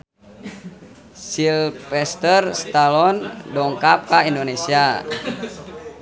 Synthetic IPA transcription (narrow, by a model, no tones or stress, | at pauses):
silpɛst̪ərst̪alɔndɔŋkap̚kaindonesia